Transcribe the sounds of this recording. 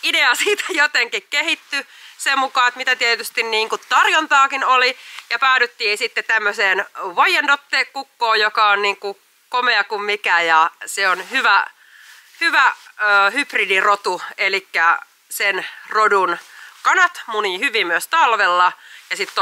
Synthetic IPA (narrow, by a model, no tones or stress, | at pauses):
ideɑsiːt̪æ̥jot̪eŋkikkehit̪ːysemukɑːet̪mit̪æt̪iet̪yst̪inniːŋkut̪t̪ɑrjont̪ɑːkinolijɑpæːɾyt̪ːiːnsit̪ːett̪æmːøseːnʋɑjendot̪ːeːkːukːoːjjokɑonniːŋku | komeɑkummikæjɑseonhyʋæ | hyʋæəhypridirot̪uelikːæ | senrodunkɑnɑt̪muniːhyʋimmyøst̪ɑlʋelːɑjɑsit̪ː